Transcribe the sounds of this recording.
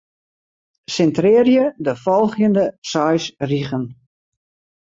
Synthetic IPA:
sɛntrɪːrjədəfɔlˠxjəndəsɔjsriɣən

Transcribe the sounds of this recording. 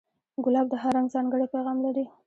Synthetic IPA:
ɡʊlɑb̚d̪əɦaɾaŋɡzɑŋɡəɽepajɣɑmlaɾi

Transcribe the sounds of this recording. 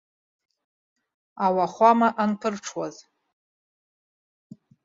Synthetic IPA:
awaχʷamaʔanpʰɨrʈ͡ʂʰwaz

